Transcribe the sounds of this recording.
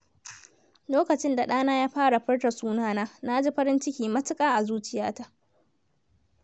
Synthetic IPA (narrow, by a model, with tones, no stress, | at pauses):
loː˦kɐ˨t͡ʃɪ˦nda˨ɗaː˦naː˦jaː˦ɸaː˦ɽa˨ɸɐ˦rta˨suː˦naː˦naː˦na˦d͡ʒi˦ɸɐ˦ɾɪ˦nt͡ʃɪ˦kʲiː˨mɐ˦tɪ˦kʼaː˦ʔa˨zuː˦t͡ʃɪ˦jaː˦ta˦˨ʔ